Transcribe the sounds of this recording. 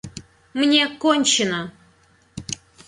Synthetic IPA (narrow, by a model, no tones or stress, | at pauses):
mnʲekonʲt͡ɕɪnə